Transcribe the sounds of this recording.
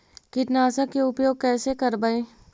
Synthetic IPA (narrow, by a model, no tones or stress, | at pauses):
kɪʈnaːsəkeʊpjoːɡ̚kɛːsekəɾbae